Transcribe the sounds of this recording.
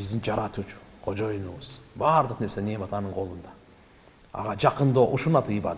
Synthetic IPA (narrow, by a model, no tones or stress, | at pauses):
bɪzd̪ɪŋd͡ʒɑɾɑt̪ut͡ʃʊ̥qʰod͡ʒojənuwəz̥bɑɾd̪ˠəqneɾsenemɑt̪ɑnəɴqʰo̞lˠənd̪ɑ | ɑ̰ʁɑd͡ʒɑqənd̪oʔʊʃunɑt̪ʰɨjəbɑ̰d̪